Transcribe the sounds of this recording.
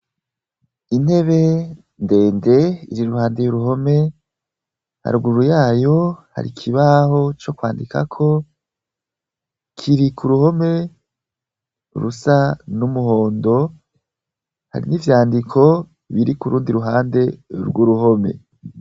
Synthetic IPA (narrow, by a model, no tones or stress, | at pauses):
inhe̞βe̞ | nde̞ːnde̞ḭɾiɾuhaːndejuɾuɦo̞me̞ | ha̰ɾɡuuɾujaːjo̞ha̰ɾḭkʰiβaho̞t͡ʃo̞kwaːndika̰kʰo̞ | kʰiɾikuɾuho̞me̞ | ɾusanumuɦo̞ːndo̞ | ha̰ɾḭnivjaːndikʰo̞ | βiɾikuɾuːndiɾuɦaːnde̞ɾɡwuɾuho̞me̞̰